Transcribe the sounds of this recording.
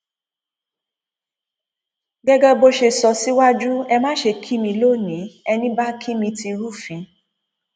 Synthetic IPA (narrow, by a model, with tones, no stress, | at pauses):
ɡɛ˦ɡɛ˦bo˦ʃe˧sɔ˧si˦wa˦d͡ʒu˦ɛ˧mãː˦ʃe˧kʰi˦mĩ˧lo˦˨nĩ˨˦ɛ˧nĩ˦ba˦kʰi˦mĩ˧ti˧ɾu˦˨fĩ˨˦